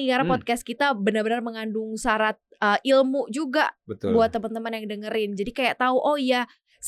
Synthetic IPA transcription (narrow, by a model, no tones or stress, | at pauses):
ikaɾanpɔt̪̚kast̪kit̪abənarbənarməŋandʊŋsaɾat̪̚əːʔilmʊʔd͡ʒuɡaʔbət̪buat̪ːəmant̪əmanjaŋdəŋəɾɪnd͡ʒadikajaʔt̪auʔɔja | s